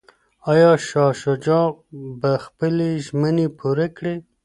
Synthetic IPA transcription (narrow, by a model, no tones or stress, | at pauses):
ɑjɑʃɑʃod͡ʒɑbaxpəleʒmənepʰuɾekɽe